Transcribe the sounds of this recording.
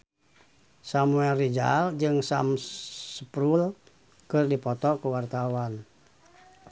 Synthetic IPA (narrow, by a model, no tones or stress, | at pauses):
samuɛlrid͡ʒa̰ld͡ʒɨŋsa̰msəpɾul | kɨrdipɔt̪ɔkəwart̪awan